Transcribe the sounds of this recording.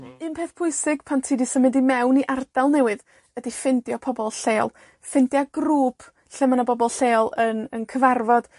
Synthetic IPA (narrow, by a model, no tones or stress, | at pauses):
ɨnpʰeːθpʰʊɨsɪɡ̥pʰantʰiːdisəmɨdimɛwniʔard̥alˠnɛwɨð | ədifɪndjɔpʰɔbɔlˠɬeːlˠ | fɪndjaɡruːpʰ | ɬɛmanabɔbɔlˠɬeːlˠənənkʰəvarvɔd̥